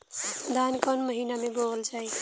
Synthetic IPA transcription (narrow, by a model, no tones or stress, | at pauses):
d̪ʱankʌnməɦinamebolt͡ʃʰəj